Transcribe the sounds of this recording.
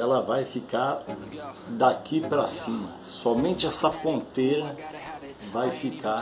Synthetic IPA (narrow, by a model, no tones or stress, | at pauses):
ɛlɐvajfikaɾ | d̪akipɾɐsĩmɐ̰sɔmẽnt͡ʃɪɛsɐpõnt̪ejɾɐ | vajfika